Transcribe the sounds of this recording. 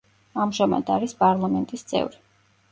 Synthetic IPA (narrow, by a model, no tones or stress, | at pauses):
amʒama̰d̪aɾispʼaɾlˠamɛnt̪ʼist̪sʼɛ̰vɾi